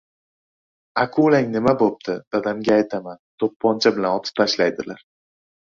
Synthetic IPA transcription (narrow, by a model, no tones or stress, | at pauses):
akʰulaŋnɪmabop̚d̪ʰɪd̪̥ad̪amɡʲaːjt̪ʰamant̪ʰopʰːɒnt͡ʃʰabɪlanɒt̪ʰɪ̥p̚t̪ʰaʃlajd̪ɪlaɾ